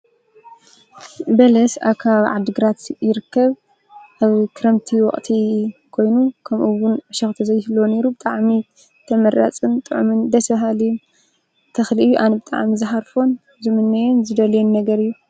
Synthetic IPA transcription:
bɐlɐsa̰βkʰaβʕa̰d̪ːɨɡɨɾat̪jɪɾɨkːɐβ | ʔaβkʰɨɾɐmt̪ʰiwɔχʼt̪ʰikʰo̞jnukʰɐmʔuwʊnɐʃɐxt̪ʰɐzɐjːɪhlːone̞ɾubɨt̪ʼaʕmi | t̪ʰɐmɐɾa̰t͡sʼɨnt̪ʼɨʕumɨnd̪ɐsbɐɦali | t̪ʰɐxliɨjːuʔanɐbɨt̪ʼa̰ʕmizɨħaɾfo̞n | zɨmɨnːɐjonzɨd̪ɐljɛnːɐɡɐɾɨjːu

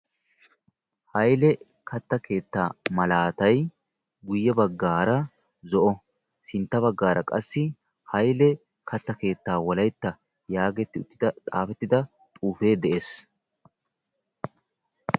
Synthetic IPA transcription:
hɐjlɛ | kʰɐt̪ːɐkʰe̞ːt̪ːaːmɐlaːt̪ɐj | ɡʊjːɛbɐɡːaːɾɐ | zɔʔɔ | sɪnt̪ːɐbɐɡːaːɾɐkʼɐ̰sːɪ | hɐjlɛ | kʰɐt̪ːɐke̞ːt̪ːaːwɔlɐjt̪ːɐ | jaːɡɛt̪ːɪʊt̪ːɪd̪ɐt̪ʼaːfɛt̪ːɪd̪ɐ | t̪ʼuːfe̞ːd̪ɛʔeːs

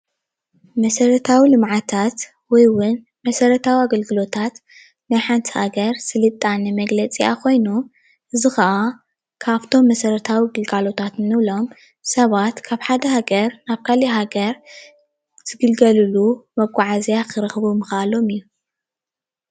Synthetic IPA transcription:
mɐsɐɾɐt̪ʰawilɨmʕat̪ʰat̪ | wɔjwʊn | mɐsɐɾɐt̪ʰawiaɡɐlɡɨlo̞t̪ʰat̪ | najħant̪ʰihaɡɐɾsɨlɨt̪ʼːanɛmɐɡlɐt͡sʼija̰kʰo̞jnu | ʔɨzɨxɐʔa | kʰaβt̪ʰo̞mːɐsɐɾɐt̪ʰawiɡɨlɡalo̞t̪ʰat̪ːɨβlo̞m | sɐβat̪kʰaβħad̪ɐhaɡɐɾnaβkʰaliɦaɡɐɾ | z̥ɨɡɨlɡɐlɨlumɐɡʷʼaʕazjakʰɨɾɨxɨβumɨxʔalo̞mɨjːu

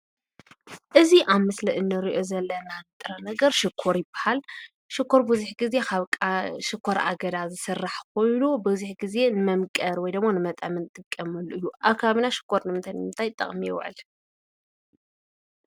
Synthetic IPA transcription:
ʔɨziʔaβmɨslɐʔɨnːɨɾiʔo̞zɐlːɐnanɨt̪ʼɨɾɐnɐɡɐɾʃɪkʰːoɾjɪbḁhal | ʃɪkʰːoɾbuzuħɡize̞kʰaβkʼaʃɪkʰːoɾa̰ɡɐd̪azɨsɨrːaħkʰo̞jnubɨzuħɡize̞nɨmɐmkʼɐɾwɔjd̪ɐmːanɨmɐt̪ʼɐmɨnt̪ʼɨkʼːɐmɨluʔɨjːuʔaβkʰːaβaβinaʃɪ̥kʰːoɾnɨmɨnt̪ʰajnmɨnt̪ʰajt̪ʼɐ̰χʼmijɛw̰ʕɨ̰l

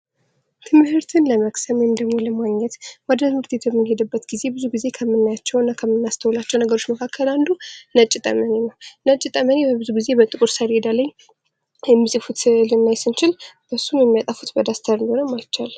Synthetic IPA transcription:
t̪ʰɨmhɨɾt̪ʰɨnləməksəmojmd̪əɡmoləmaɡɲːɛt̪wad̪ət̪ɨmɨɾt̪ʰet̪jɛmːɨnhe̞d̪ɨbːət̪ɡize̞bɨzuɡize̞kʰəmːɨnːajat͡ʃːɛwɨnːakʰəmːɨnːast̪ʰəwlat͡ʃːɛwnəɡəɾo̞t͡ʃːməkʰakʰːəland̪unət͡ʃʼɪt̪ʼə̰məne̞nəwnət͡ʃʼːɪt̪ʼəməne̞bəbɨzuɡize̞bət̪ʼɨkʼɾsəɾed̪alaj | jɛmːizʼɨfut̪lɨmːajsɨnt͡ʃɪlb̥əsumjɛmːijat̪ʼafut̪bəd̪ast̪ʰəɾɨnd̪honəwmajt͡ʃːal

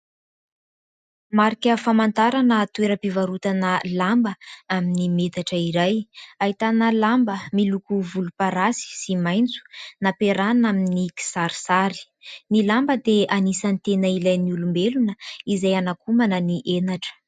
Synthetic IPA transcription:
maɾikʲəfamant̪aɾanət̪uweɾəpivaɾut̪anəlambəaminimet̪aʈ͡ʂəiɾajaɦit̪anəlambəmilukuvulupaɾasi̥simajnt͡su̥napeɾanaminiki̥saɾisaɾi̥ | nilambəd̪eanisanit̪enəilajniulumbelunəizajanakumanəniʔenaʈ͡ʂə̥

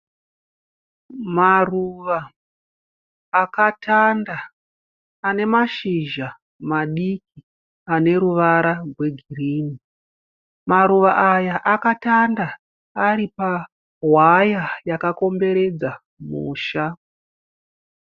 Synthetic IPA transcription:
maruʋa | katʰandaː | ne̞maʃiʒa | maɗik̚i | ane̞ɾuʋaɾarwe̞ɡʱiriːni | maɾuʋaʔajaʔakatandaː | ɾipa | ɦwajajakako̞mbe̞ɾe̞d͡za | mṵːʃa

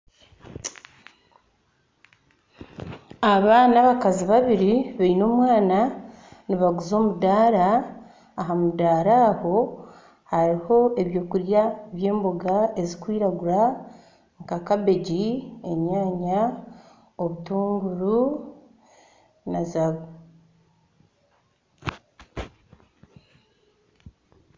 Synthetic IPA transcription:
aβaːnaβakaziβaβiɾiβeino̞ːmwaːnaniβaɡuzo̞ːmudaːɾaː | ɦamudaːɾaːho̞ | haɾiho̞e̞βjo̞ːkuɾjaβje̞ːmboɡae̞zikwiːɾaɡuɾa | ŋkakaβe̞ɟie̞ɲaːɲa | oβutuːŋɡuɾu | nazaβo

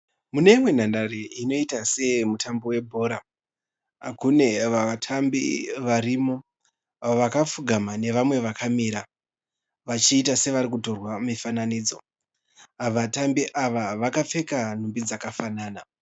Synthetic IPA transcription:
mune̞imwe̞n̤andaɾeino̞itase̞mutʰambo̞we̞bʱo̞ːɾa | kune̞ʋaatʰambḭʋaɾimo̞ | ʋakap͡fuɡʱamane̞ʋamwe̞ʋakʰamiɾa | ʋat͡ʃiːtase̞ʋaɾik̬uto̞rwamifananiːd͡zo̞̰ | ʋatambiʔaʋaʋakap͡fe̞kan̤umbid͡zakafanaːna

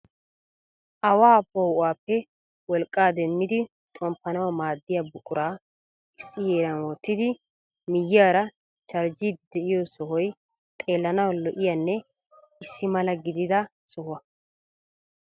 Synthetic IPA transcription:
ʔɐwaːpɔhʊʔaːpːɛ | wɔlkʼːaːd̪ɛmːɪd̪ɪ | t̪ʼɔmpːɐnɐwɐmaːd̪ːɪjabʊkʼʊɾaː | ɪsːɪheːɾɐnwɔt̪ːɪd̪ɪ | mɪjːɪaːɾɐ | t͡ʃɐɾd͡ʒid̪ɪd̪ɛʔɪjɔsɔɦɔj | t̪ʼe̞ːlːɐnɐwlɔʔɪjanːɛ | ɪsːɪmɐlɐɡɪd̪ɪd̪ɐ | sɔhʊɐ

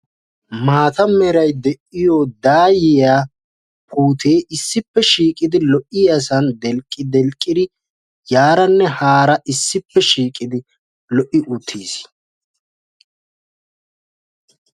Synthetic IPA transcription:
maːt̪ɐmɛɾɐjd̪ɛʔɪjoːd̪aːjɪjaː | pʰuːt̪ʰeːʔɪsːɪpːɛʃiːkʼɪd̪ɪlɔʔɪjɐsɐnd̪ɛlkʼːɪd̪ɛlkʼːɪd̪ɪ | jaːɾɐnːɛhaːɾɐʔɪsːɪpːɛʃiːkʼɪd̪ɪ | lɔʔɪʔʊt̪ʰːiːs

